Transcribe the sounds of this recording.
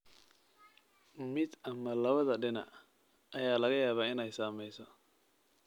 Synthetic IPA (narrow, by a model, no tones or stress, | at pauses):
mɪd̪ɐmɐlɐβɐðɐɖɪnɐ̰ | ɐjaːlɐɣɐjaːβaːɪnɛjsaːmɛjsɔ